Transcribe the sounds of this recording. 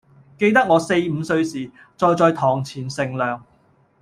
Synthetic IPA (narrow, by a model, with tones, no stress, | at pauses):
ke˧jt̪ɐ˥k̚ŋɔː˨˧se˧jm̩˨˧sɵ˧ɥsiː˨ | t͡sɔː˧jt͡sɔː˧jt̪ʰɔː˨˩ŋt͡sʰiː˨˩nsɪ˨ŋlœː˨ŋ